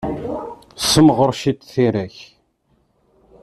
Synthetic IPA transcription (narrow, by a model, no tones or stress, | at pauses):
səmʁəɾˤʃit̪θiɾæç